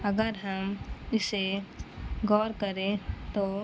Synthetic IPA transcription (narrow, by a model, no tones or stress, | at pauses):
ɐɡəɾɦɐmɪse | ɡɔːɾkəɾẽt̪oː